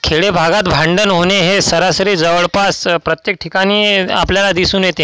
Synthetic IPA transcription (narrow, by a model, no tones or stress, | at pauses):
kʰeɭebʱaɡat̪bʱãɳɖənɦoneɦesəɾasɾiːd͡zəʋəɭpaspɾət̪jek̚ʈʰikaɽ̃iːa̰pljalad̪isuːnjet̪ẽ